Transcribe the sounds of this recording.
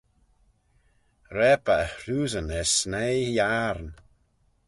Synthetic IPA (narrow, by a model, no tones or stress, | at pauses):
ɾɛpəəhɾuːzənɛsnejjaɾn